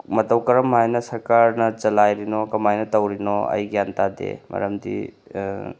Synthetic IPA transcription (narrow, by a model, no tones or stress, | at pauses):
mɐtɐwkɐɾɐmːajnɐsɐɾkaɾnɐt͡ʃɐlajɾinɔkɐmajnɐtɐwɾinɔɐ̰jɡjantad̪ḛmɐ̰ɾɐmdḭ